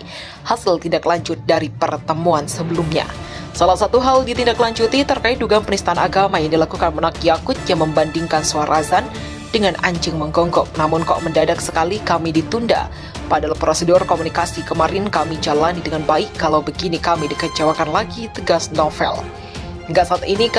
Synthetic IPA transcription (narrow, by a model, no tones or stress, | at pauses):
hasəlt̪indaklaɲd͡ʒʊt̪̚daɾipərt̪əmuansəbəlumɲa̰ | salahsat̪uɦaldit̪indaklaɲd͡ʒut̪it̪ərkaɪt̪̚duɡanpənist̪aanaɡamajaŋdilakukanmənakjakʊt̪̚jaŋməmbandiŋkansuaɾʔazan | d̥əŋanʔaɲd͡ʒɨŋməŋɡɔŋɡɔk̚namʊnkɔ̰ʔməndadak̚səkalikamidit̪unda̰ | padalpɾosədʊrkomunikasikəmaɾɪnkamid͡ʒalanidəŋanbaɪkːalawbəɡinikamidikət͡ʃawakanlaɡit̪əɡasnɔfɛ̰l | əŋɡaʔsaːt̪ini